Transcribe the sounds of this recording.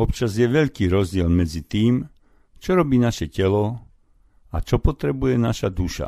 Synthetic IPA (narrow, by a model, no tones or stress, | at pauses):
ɔpt͡ʃazjɛʋɛʎkiːɾɔzɟɪɛlmɛd͡zit̪iːm | t͡ʃɔɾɔbiːnaʃɛcɛlɔ | at͡ʃɔpɔt̪ɾɛbujɛnaʃad̪uʃa̰